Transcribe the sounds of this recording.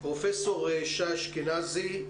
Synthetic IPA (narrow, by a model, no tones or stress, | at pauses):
pʁofesoʁeʃaʃkenazi